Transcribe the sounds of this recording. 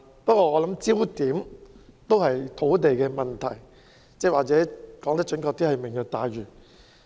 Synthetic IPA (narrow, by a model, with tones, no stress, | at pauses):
pɐ˥t̚kʷɔː˧ɔː˨˧lɐ˨˥mt͡siː˥wt̪iː˨˥mt̪o˥whɐ˨jt̪ʰo˨˥wt̪̬e˨jkɛː˧mɐ˨˩nt̪ʰɐ˨˩j | t͡sɛː˥waː˨k̚t͡sɛː˨˥kɔː˨˥ŋt̪ɐ˥t͡ʃɵ˨˥nkɔː˧k̚t̪iː˥hɐ˨jmɪ˨ŋjɔ˧t̪aː˨˧jɥyː˨˩